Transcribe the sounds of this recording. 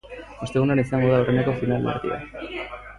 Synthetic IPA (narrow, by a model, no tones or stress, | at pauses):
ost̪e̞ɣunoaɾaisaŋɡo̞ðaorenekofinalḛɾðḭa̰